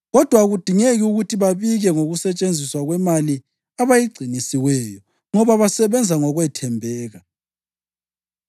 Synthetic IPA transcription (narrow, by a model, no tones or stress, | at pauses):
ɣɔd̥ʱwaɣud̥ʱiŋeɣiuɣutʰiβaβiɣɛŋoɣusɛt͡ʃʼend͡zʱiswaɣwɛmali | aβajiɡ͡ǀʱinisiwɛjɔ | ŋɔβaβasɛβɛnd͡zʱaŋɔɣwɛtʰɛmbʱɛːɣa